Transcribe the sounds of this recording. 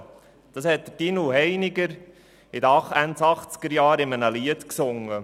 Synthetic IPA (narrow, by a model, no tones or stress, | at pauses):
d̪̥ɑshɛt̚d̥̪əd̥inuɦɛɪnɪɡəɾ | ɪd̪əɑχænt͡sɑχt͡skəɾjɑːɾɪmənəliətksʊŋːə